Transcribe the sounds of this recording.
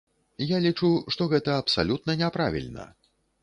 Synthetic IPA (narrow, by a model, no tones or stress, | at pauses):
jalʲit͡ʂuʂt̪ɔɣɛt̪ɐːpsalʲut̪̚nɐnʲɛpɾavʲḭlʲnɐ̰